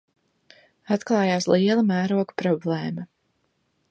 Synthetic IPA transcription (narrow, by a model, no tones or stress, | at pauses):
at̪klˠɑːjaːsliɛlˠamæːɾuɔkpɾɔblˠeːmɐ